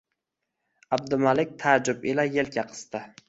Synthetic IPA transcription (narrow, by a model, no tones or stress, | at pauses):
ab̚d̪ʊmalɪk̚ʲt̪ʰad͡ʒʊpɪlajelkʲʰaqʰɨ̥st̪ɪ